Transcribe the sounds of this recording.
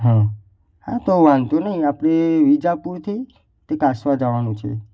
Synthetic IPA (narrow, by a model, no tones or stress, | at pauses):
ɦã | hã̰t̪oʋant̪onəɦĩapɽ̃eʋid͡ʒapuɾt̪ʰe | t̪ekasʋad͡ʒaʋanũt͡ʃʰḛ